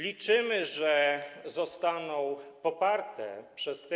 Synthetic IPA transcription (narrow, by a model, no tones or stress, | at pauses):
lʲit͡ʂɘmɘʐɛzɔst̪anɔ̃w̃pɔpaɾt̪ɛ̰pʂɛst̪